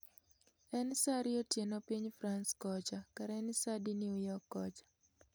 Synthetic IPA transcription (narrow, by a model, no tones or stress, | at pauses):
ɛnsaɾɪotjenopiɲfɾanskɔt͡ʃakaɾɛnsadinjujɔkːɔt͡ʃḁ